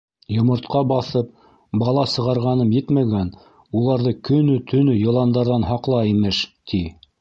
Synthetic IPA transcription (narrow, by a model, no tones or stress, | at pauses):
jŏmŏɾt̪qɑbɑθɤp̚ | bɑlˠɑsɤ̆ʁɑɾʁɑnɤmjɘt̪mæɡæn | ulˠɑɾðɤkɵ̆nɵt̪ʰɵ̆nɵjɤ̆lˠɑnd̪ɑɾðɑnɦɑqlˠɑimɘʃt̪ʰi